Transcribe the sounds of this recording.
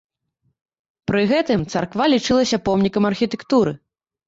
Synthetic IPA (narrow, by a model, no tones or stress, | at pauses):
pɾɨɣɛt̪ɨmt̪sɐrkvalʲit͡ʂɨlˠɐsʲɐpɔmnʲikɐmɐrxʲit̪ɛkt̪uɾɨ